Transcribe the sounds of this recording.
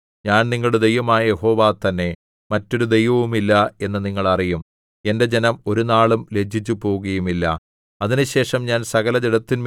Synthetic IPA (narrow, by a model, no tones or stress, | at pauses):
ɲaːnniŋːɐɭuɽed̪e̞jʋɐmaːjɐjeho̞ːʋaːt̪ɐnːe̞ | mɐtːo̞ɾud̪e̞jʋɐʋumilːɐe̞nːɐniŋːɐɭɐrijum | e̞nde̞d͡ʑe̞nɐmo̞ɾunaːɭumle̞d͡ʑʱit͡ɕːupo̞ːuɣɐjumilːɐ̰ | ɐðinuɕe̞ːʂɐmɲaːnsɐɣɐlɐd͡ʑeɽɐt̪ːinm